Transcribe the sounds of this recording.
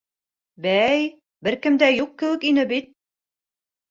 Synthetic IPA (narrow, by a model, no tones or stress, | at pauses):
bæj | bɘɾkɘ̆md̪æjuq̚kːɘ̆wɘ̆kinɘbit̪̚